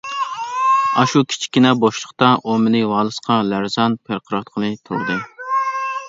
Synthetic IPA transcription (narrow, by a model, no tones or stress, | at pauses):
ɑʃukʲʰi̥t͡ʃʰi̥kʲːɪnɛboʃlˠəqt̪ɑʔomɪnɨwɑːlˠɨsqʰɑlæɾzɑnpʰeɾqʰəɾɑt̪̚qʰəlˠɨt̪ʰṵɾd̪ɨ